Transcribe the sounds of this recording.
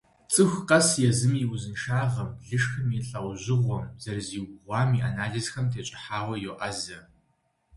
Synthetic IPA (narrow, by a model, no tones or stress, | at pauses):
t͡sʼɨxʷqɐsjɛzɨmiwʊzɨnʃaːʁɐmɮɨʂxɐmiɬʼɐwʑɪʁʷɔmz̥ɐrziːwɡʁʷɑːmiʔanaːɮizxɐmtʰeːt͡ʃʼɪ̥ħaːʁʷɐjoʔɐzɐ